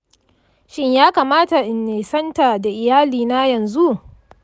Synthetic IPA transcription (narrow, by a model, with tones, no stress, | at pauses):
ʃɪ˦ɲjaː˦kaː˨maː˦ta˨ʔɪ˨nːeː˨sɐ˦nta˨da˨ʔɪ˨jaː˦liː˨na˦jɐ˨nzu˦ʔ